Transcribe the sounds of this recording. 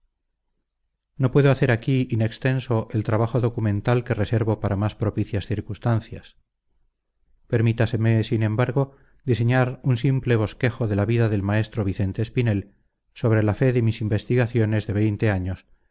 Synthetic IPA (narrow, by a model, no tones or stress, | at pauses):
no̞pwe̞ðoaθeɾakiine̞kst̪e̞nso̞ʔelt̪ɾaβaχo̞ðo̞kumẽ̞nt̪alke̞rese̞ɾβo̞paɾamaspɾopiθjasθiɾkust̪anθjas | pe̞ɾmit̪ase̞mesinẽ̞mbaɾɣo̞ | d̪is̬e̞ɲaɾunsimple̞β̞o̞ske̞xo̞ðe̞laβiðaðe̞lmae̞st̪ɾo̞β̞iθe̞nt̪e̞ːspine̞l | so̞β̞ɾe̞lafe̞ðemisimbe̞st̪iɣaθjo̞ne̞zðe̞β̞e̞jnt̪e̞aɲo̞s